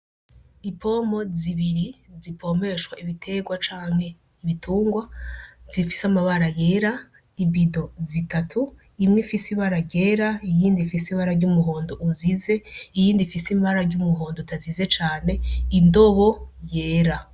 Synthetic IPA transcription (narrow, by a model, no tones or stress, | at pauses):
ipʰo̞mo̞ziβiɾizipʰo̞me̞ʃwaʔiβitʰe̞ɡwat͡ʃaːŋ̥he̞ | iβitʰuːŋɡwaz̥ifi̥samaβaɾaje̞ːɾa | imbido̞zitatʰu | imŋefisiβaɾaɾɟe̞ːɾaijiːndifisiβaɾaɾɟumuɦo̞ːndoʔuzize̞ijiːndifisimbaɾaɾɟumuɦo̞ːndotʰazize̞t͡ʃaːne̞indo̞βo̞je̞ːɾa